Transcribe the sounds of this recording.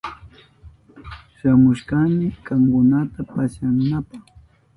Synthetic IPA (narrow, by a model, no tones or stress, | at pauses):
ʃamʊʃkamɪkaŋkʊnat̪apaʃaŋnapɑχ